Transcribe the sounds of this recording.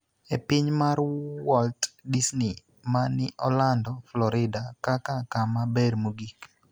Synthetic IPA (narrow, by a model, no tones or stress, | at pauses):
epɪɲmarwɔltdisni | manɪʔɔlandɔflɔɾɪdakakakamabɛrmoɡik